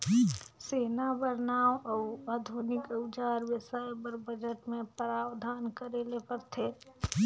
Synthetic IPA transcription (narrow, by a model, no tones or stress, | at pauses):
seːnabəɾnaːwɔad̪ʱunɪkəwd͡ʒaːɾwɪsajepəɾbəd͡ʒəʈmẽpɾaːwd̪ʱaːnkəɾelepəɾt̪ʰe